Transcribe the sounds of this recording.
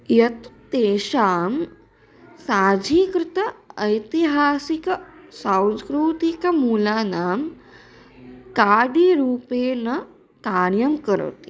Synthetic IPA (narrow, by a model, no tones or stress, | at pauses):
jɐt̪t̪eːʃaːm | saːd͡ʒʱiːkɾɪt̪ɐɐjt̪iɦaːsikɐsãw̃skɾuːt̪ikɐmuːlaːnaːm | kaːɖiɾuːpeːnɐ | kaːɳjɐmkɐɾɐ̰t̪i